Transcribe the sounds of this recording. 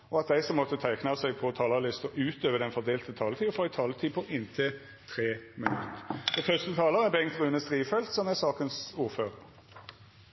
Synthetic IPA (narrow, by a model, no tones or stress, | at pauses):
ɔɑt̪̚d̪æɪsɔmːɔt̪ːət̪ʰæɪknɑsɛɡ̚pʰɔt̪ʰɑːlɑlɪst̪ɔʔʉːt̪øːʋəd̪ɛnfɔʁd̪eːlt̪ət̪ʰɑːlət̪iːfɔɛɪt̪ʰɑːlət̪ʰiːpʰɔʔɪnt̪ʰɪ | t̪ʰʁeːmɪnʉ̰t̪əfɔt̪ʰœst̪ət̪ʰɑːləʁɛbɛŋt̪ʁʉːnəst̪ʁiːfɛlt̪sɔmæsɑːkənsuːʁføːʁəʁ